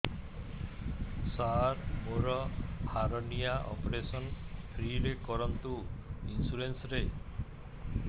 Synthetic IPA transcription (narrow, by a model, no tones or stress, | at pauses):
saɾmoɾɔaɾɔnijaʔɔ̰pɔɾesɔnpʰɾiɾekɔɾɔnt̪uinsuɾensɔɾe